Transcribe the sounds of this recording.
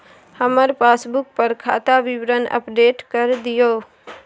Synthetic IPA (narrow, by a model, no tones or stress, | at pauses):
həməɾpʰasbuk̚pəɾkʰa̰t̪aʋɪʋɾənə̰pɖeʈkəɾd̪ijo